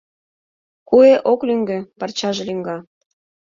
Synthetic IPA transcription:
kueʔoklyŋɡøpɑrt͡ɕɑʒĕlyŋɡɑ

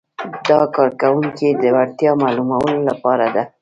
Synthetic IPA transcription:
d̪ɑkɑɾkawuŋkid̪əwaɽt̪jɑmɑlumawəlolapɑɾad̪a

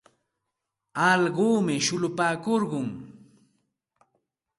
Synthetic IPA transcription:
ɑʎɢoːmɪʃʊlʊpaːkoɾɢʊŋ

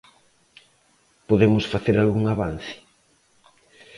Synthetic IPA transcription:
poðemʊsfaθeɾalɣuŋaβan̟θɪ̥

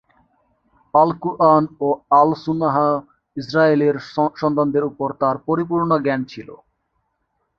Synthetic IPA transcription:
alkuʔanoalsunaɦa | isɾaeleɾʃɔnt̪and̪eɾupoɾt̪aɾpoɾip̬uɾɳoɡɛnt͡ɕʰilo̰

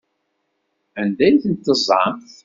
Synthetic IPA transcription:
ænd̪æjθənt̪ːəzˤɑ̰mθ

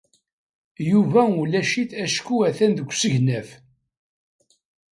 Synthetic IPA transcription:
juvæulæʃiθæʃkːuæθænd̪əɡʷːsəʝnæf

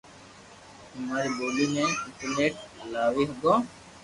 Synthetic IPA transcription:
hʊmaːɾiːboːliːmẽːɪɳʈəɾneːʈ̚laːʋiːɦɡ̪õː

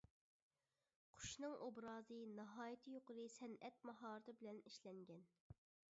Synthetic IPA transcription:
qʰʊ̥ʃnɨŋʔobɾɑːzɨnɑɦɑːjit̪ʰɨjoqʊɾɨsɛnɛt̪̚mɑɦɑːɾɨt̪ʰɨbɪlɛniʃlɛŋɡʲɛn

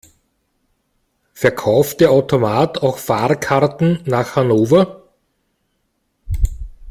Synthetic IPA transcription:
fɛɐkʰaʊft̚d̥eːɐaʊtomaːtʰaʊxfaːʁkʰaʁtn̩naːxhanoːvɐ

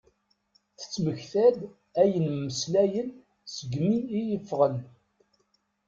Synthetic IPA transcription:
θə̥t͡sːməçθæd̪ | æjənməslæjən | səɡmiːjəfːʁən

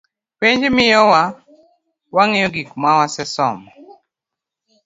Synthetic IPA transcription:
peɲd͡ʒemɪjɔwa | waŋɛjɔɡikmawasɛsɔ̰mɔ

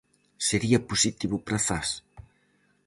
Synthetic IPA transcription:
seɾiɐpusit̪iβʊpɾɐfas

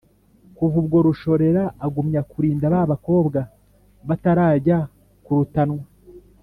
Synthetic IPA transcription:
kuvubɡo̞ɾuʃo̞ɾe̞ɾaːɡumɲakuɾiːndaβaβako̞ːbɡa | βataɾaːɟa | kuɾutanŋwa

